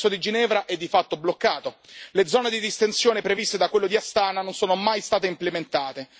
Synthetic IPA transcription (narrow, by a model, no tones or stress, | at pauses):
sod̪id͡ʒinɛːvɾaʔɛd̪ːifat̪ːoblokːaːt̪oled̪zːɔːned̪id̪ist̪ensjoːnepɾevist̪ed̪akːwelːod̪iast̪aːnanonsoːnomajst̪aːt̪̬eimplement̪aːt̪e